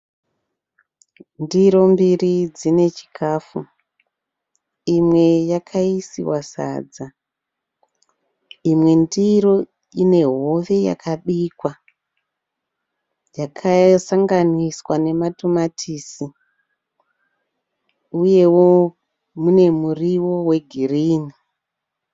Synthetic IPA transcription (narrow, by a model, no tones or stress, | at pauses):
ndiɾo̞mbirid͡zine̞t͡ʃi̥kʰaːfu | imwe̞jakʰaisḭwasa̰ːd͡za | imwe̞ndiɾo̞ | ine̞ɦo̞ʋe̞ja̰kʰaɓiːkwa | jakʰasaŋɡaniswane̞matumatʰiːsi | uje̞wo̞ | mune̞muriwo̞we̞ɡʱiriːni